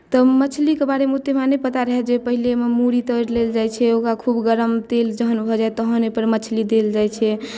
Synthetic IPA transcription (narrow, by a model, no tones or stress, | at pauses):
t̪ɔmət͡ʃʰlikebaɽemut̪emanepət̪aɾəɦɛd͡ʒepəɦilememuɾit̪əɾleld͡ʒajt͡ʃʰɛokakʰubɡəɾəmt̪eld͡ʒəɦənbʱɔd͡ʒaet̪əɦənepəɾmət͡ʃʰlid̪eld͡ʒajt͡ʃʰɛ